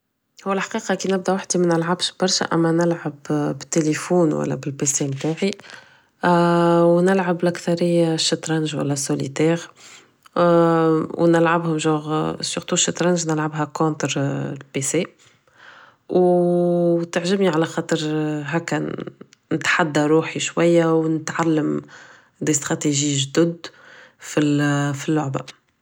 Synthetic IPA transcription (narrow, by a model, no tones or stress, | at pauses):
hʊwːælħḁqiːqɑkinɪb̚d̪æwaħd̪imænɪlʕabʃb̥ɑɾˤʃæ̰ʔæ̰mːænɪlʕabbɪt̪ːelefuːnwæ̰lːæ̰bɪlpesemt̪aːʕi | wnɪlʕablʔækθɑɾɪjːaʃːɪt̪ɾˤɑnʒwæ̰lːæsːolḭt̪ɛːɣ | wnɪlʕabhʊmʒɔːɣsʊʁt̪uʃːɪt̪ɾanʒnɪlʕabɦækõnt̪ɾlpese | w | t̪ɪʕʒɪbniʕalæxɑːt̪ˤəɾɦæːkːæ | nɪt̪ħad̪ːaɾˤuːħiʃwajːawnɪt̪ʕalːəm | d̪ist̪ʁɑt̪eʒiʒd̪ʊd̪filfilːʊʕba̰